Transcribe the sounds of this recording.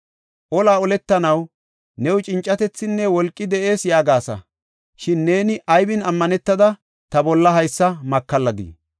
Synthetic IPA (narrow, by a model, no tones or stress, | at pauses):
ʔɔlaːɔlɛt̪ːɐnɐw | nɛwʊt͡ʃʼɪnt͡ʃʼːɐt̪ɛt͡sːɪnːɛwɔlkʼːɪd̪ɛʔe̞ːsjaːɡaːsɐ̰ | ʃɪnːe̞ːnɪʔɐjbɪnɐmːɐnɛt̪ːɐd̪ɐ | t̪ɐbɔlːɐɦɐjsːɐmɐkːɐlːɐd̪ḭ